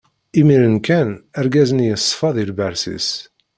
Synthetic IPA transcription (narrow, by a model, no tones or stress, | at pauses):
imiɾənkænæɾɡæzənjəsˤːfɑðˤilbæɾsḭs